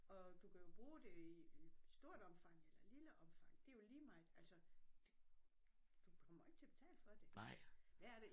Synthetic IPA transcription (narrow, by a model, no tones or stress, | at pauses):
ɒ̽d̥ukʰæjo̝b̥ʁuːd̥e̝iisd̥o̝ɐ̰d̥ɒ̽mfɑ̈ŋ̰elɐliləʔɒ̽mfɑ̈ŋ̰d̥e̝jo̝liːmɑ̈ɪd̥æl̰sɒd̥e | d̥ukʰɒ̽m̰ɐe̝ɡ̥̚t͡sʰe̝b̥̝t͡sʰɛ̰ːləfɒ̽d̥e̝ʋ̥ææɐd̥e